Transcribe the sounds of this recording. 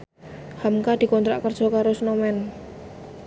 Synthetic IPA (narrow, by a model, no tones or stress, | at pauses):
hamkad̪̥i̤kɔnt̪ɾa̰ʔkərd̥ʒ̥ɔ̤kaɾosnɔmɛn